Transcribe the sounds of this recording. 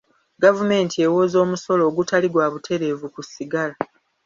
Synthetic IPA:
ɡavume̞ːntie̞wo̞ːzo̞ːmuso̞lo̞ːɡutaliɡwaːβutʰe̞ɾe̞ːvukusiɡala

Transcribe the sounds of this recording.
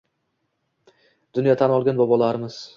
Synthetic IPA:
d̪ʊnjɒd̪ʰanɒlˠɡʲanbɒbɒlˠaɾmɪz̥

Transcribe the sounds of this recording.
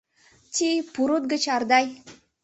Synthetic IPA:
t̪ʲipuɾut̪̚ɡət͡ʃaɾd̪aj

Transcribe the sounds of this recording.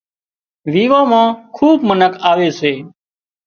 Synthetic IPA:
ʋiːʋãːmãːkʰuːbmənəkʰaːʋeːseː

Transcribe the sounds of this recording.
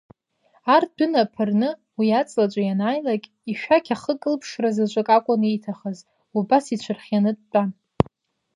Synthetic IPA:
art̚dʷʊnapʰɨrnɨ | wiat͡sʼlat͡ʃʷʼajanajlakʲʼ | iʃᶣakʲʰaχəkʼɨlpʰʂrazat͡ʃʷʼakʼakʷʼʊnijtʰaχəz | ubasit͡ɕʷʰɨrχʲanɨd̚ːʼan

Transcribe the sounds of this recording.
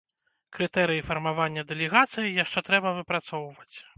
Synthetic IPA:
kɾɨt̪ɛɾɨjifɐrmavanʲːɐd̪ɛlʲɛɣat̪sɨjijaʂt͡ʂɛt̪ɾɛbɐvɨpɾat̪sɔwvɐt͡sʲ

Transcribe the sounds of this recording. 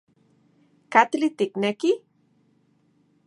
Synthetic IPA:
kat̪lit̪ikneki

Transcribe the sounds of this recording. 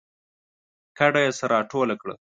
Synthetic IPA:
kaɽajesɐɾɑːʈoːlakɽə̰

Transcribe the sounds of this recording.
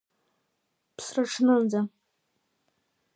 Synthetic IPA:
pʰsrɨʈ͡ʂʰnɨnd͡za

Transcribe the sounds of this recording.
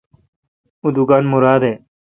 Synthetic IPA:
ud̪uɡaːnmuɾaːd̪eː

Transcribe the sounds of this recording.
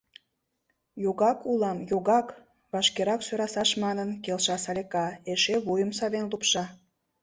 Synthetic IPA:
joɣɑkulɑmjoɣɑk | βɑʃkeɾɑksøɾɑsɑʃmɑnənkelʃɑsɑlʲekɑeʃeβujəmsɑβenlupʃɑ

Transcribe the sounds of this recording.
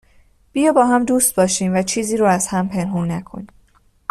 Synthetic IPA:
b̥ijɒbɒːɦæmd̪uːst̪̚bɒːʃiːmvæt͡ʃʰiːziːɾoæz̥hæmpʰe̞nɦuːnːækʰo̞̰ni

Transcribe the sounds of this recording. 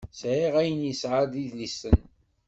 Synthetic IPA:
sʕiʁæjənjəsʕad̪iðlisən

